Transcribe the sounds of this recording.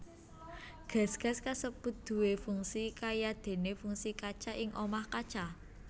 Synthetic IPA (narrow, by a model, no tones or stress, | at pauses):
ɡ̥a̤sɡ̥a̤skasəpud̪̥ṳwefuŋsikajad̪̥e̤nefuŋsikat͡ʃaʔɪŋʔomahkat͡ʃa